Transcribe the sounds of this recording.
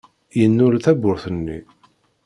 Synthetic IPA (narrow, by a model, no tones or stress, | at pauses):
jənːʊɾθæbʊɾθənːḭ